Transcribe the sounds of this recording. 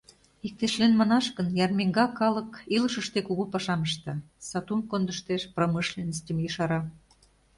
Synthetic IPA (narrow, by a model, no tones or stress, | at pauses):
ik̚t̪eʃlenmɑnɑʃkənjɑrmeŋɡɑkːɑlɤ̆kiləʃə̆ʃt̪ekuɣupɑʃɑməʃt̪ɑ | sɑt̪umkond̪ə̆ʃt̪eʃproməʃlʲenəst̪ʲə̆mjəʃɑɾɑ